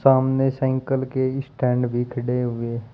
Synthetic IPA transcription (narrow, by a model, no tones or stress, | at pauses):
saːmnesɛ̃ːŋkəlkeɪsʈɛ̃ːɳɖbʱikʰəɽeɦʊe